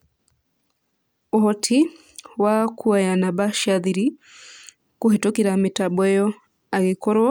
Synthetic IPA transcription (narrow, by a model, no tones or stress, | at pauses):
oɦɔtʰi | wakʰuajanabaʃaðiɾi | kuɦitokiɾamitabwɛjɔ | aɣikɔɾwɔ